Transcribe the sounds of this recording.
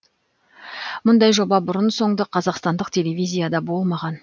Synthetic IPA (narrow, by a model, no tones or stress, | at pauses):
mʊnd̪ɑjʒo̞bɑbʊɾənso̞ɴd̪əqʰɑzɑqst̪ɑnd̪əqt̪ʲʰe̞le̞vʲijzʲijad̪ɑbo̞lˠmɑʁɑn